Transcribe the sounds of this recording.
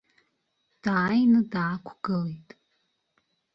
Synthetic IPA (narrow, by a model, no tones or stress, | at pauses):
d̥aːjnɨdaːkʷʰɡɨlejtʼ